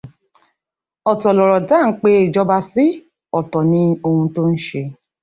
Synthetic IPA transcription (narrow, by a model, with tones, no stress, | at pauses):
ɔ˨tɔ˨lɔ˨ɾɔ˨da˦˨˦k͡pe˦e˨d͡ʒɔ˧ba˧si˦ | ɔ˨tɔ˨nĩ˧˦o˧hũ˧to˦n̩˦ʃe˧